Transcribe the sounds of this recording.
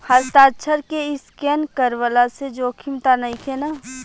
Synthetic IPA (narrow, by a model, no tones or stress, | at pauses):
həst̪aːtʃʰəɾkeɪskɛːnkəɾʋəlased͡ʒoːkʰɪmt̪anəɦĩkʰena